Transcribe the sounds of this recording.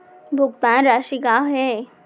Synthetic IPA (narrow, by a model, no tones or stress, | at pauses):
bʱʊkt̪ãːnɾaːʃikaɦe